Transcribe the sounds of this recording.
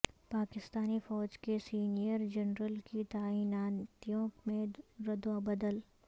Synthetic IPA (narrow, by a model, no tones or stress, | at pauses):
paːkɪst̪aːnifɔːd͡ʒkesiːnijəɾd͡ʒɐnɾəlkit̪aːiːnaːnt̪ijõmẽɾɐd̪wabɐd̪əl